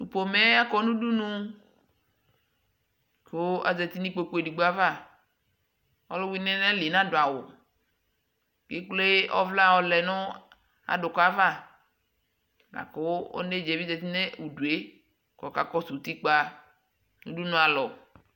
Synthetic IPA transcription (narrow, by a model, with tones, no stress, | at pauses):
u˨po˨me˦a˦kɔ˦nũ˦du˦nũ˦ | ko˦a̰˨zɛ˨t̪i˦nĩ˦k͡po˦ku˦e˨di˨ɡ͡bo˦a˦va˦˨ | ɔ̰˦lɔ˦wi˦nɛ̃˦nɛ̃˦li˨nã˦do˨a˨wo̰˨ | ke˦k͡ple˦ɔ̰˦vla˦˨wɔ˨lɛ˨nʊ̃˦ | a̰˨ɖʊ˨ka˦va˦˨ | na̰˨ko˦ɔ̰˦ne˦d͡ʒe˨vi˦zɛ˨t̪i˦nẽ˦wu˨du˨e˦ | kɔ˨ka˨kɔ˦su˨t̪i˦k͡pa˦ | nũ˦du˦nũ˦a˨lɔ˨